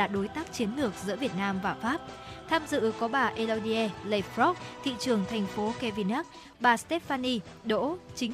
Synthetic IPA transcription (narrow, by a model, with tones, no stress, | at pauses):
a̰ː˧˩ɗo˨˦jt̪aː˦˥k̚t͡ɕi˨˦ənlɨ˧˩ək̚zɨ̰˧˥vi˨˩ət̚naː˧mvaː˨˩faː˦˥p̚t̪ʰaː˧mzɨ̰˧˨kɔ˨˦ɓaː˨˩ʔe˧lo˧wɗi˧ʔɛ˧le˧˩fɾɔ˦˥k̚t̪ʰḭ˧˨t͡ɕɨ˨˩əŋt̪ʰɛ˨˩jŋ̟fo˨˦kɛ˧vi˧˩na˦˥k̚ | ɓaː˨˩st̪e˦˥t̚faː˧ni˧ | ɗo̰˧˥t͡ɕï˨˦ŋ